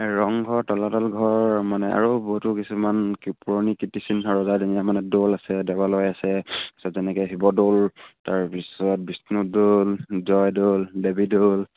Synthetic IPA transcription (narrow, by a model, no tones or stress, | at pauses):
ɹɔŋɡʱɔɹtɔlatɔlɡʱɔɹmanɛʔa̰ɹobɔɦutʊkisumankpuɹonikitisinsaɹɔzadinijamanɛdolasɛdɛbalɔjasɛki̥sɔzɛnɛkɛɦibɔdoltaɹpisɔt̚bisnudolzɔjdoldebidol